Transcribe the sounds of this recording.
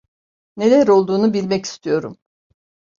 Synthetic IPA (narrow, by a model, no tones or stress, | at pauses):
ne̞lʲæɾo̞lˠd̪uːnubilʲmɛci̥st̪ʰijo̞ɾum